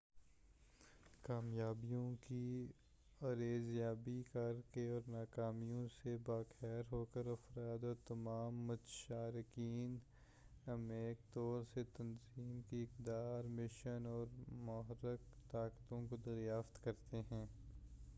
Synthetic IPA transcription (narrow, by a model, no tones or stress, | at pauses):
kaːmjaːbijõki | ɐɾeːzjaːbikɐɾkeɔːɾnaːkaːmijõsebaːxɛːɾɦoːkəɾɐfɾaːd̪ɔːɾt̪ɐmaːmːʊt̪ʃaːɾɪkiːn | ɐmeːk̚t̪ɔːɾset̪ɐnziːmkiɪkd̪aːɾmɪʃənɔːɾmʊɦəɾːɪkt̪aːkt̪õkod̪ɐɾjaːft̪kɐɾt̪eɦɛ̃ː